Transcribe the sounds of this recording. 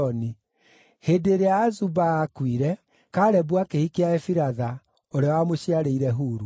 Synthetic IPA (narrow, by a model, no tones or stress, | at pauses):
ɔni | hedeɾeaːzubaːkwiɾɛ | kaɾɛbwakehikeaefiɾaða | oɾeawamoɕiaɾeiɾɛɦuːɾu